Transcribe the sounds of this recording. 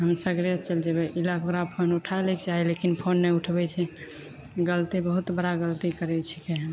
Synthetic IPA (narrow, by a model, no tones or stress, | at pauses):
ɦəmsəɡɾiət̪t͡ʃəld͡ʒebɛʔilakoɾapʰonuʈʰaelɛkd͡ʒaɦɛlekinpʰonːɛuʈʰbɛt͡ʃʰɛ | ɡəlt̪ibəɦut̪bəɾaɡəlt̪ikəɾɛt͡ʃʰi̥keɦ